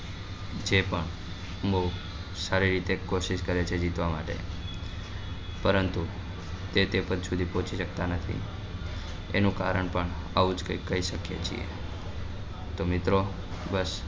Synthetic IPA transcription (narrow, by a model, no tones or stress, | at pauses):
d͡ʒepəɳ | mo | saɾiɾit̪ekoʃiʃkəɾet͡ʃʰed͡ʒit̪ʋama̰ʈḛ | pəɾənt̪u | t̪et̪epəd̪sud̪ʱipõt͡ʃʰiʃək̚t̪anət̪ʰḭ | ḛnũkaɾəɳpəɳ | aʋud͡ʒkəikːəɦiʃəkjet͡ʃʰḭḛ | t̪omɪt̪ɾo | bəs